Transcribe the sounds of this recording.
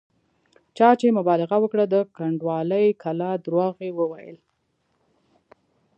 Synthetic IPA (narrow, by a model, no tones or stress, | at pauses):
t͡ʃɑt͡ʃemʊbɑlɪɣawəkɽad̪əkaɳɖwɑləjkʰalɑd̪ɾwɑɣewəwajə̰l